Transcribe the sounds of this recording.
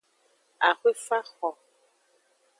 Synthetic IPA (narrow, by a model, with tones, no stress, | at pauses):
a˨xwe˦fa˦xɔ˨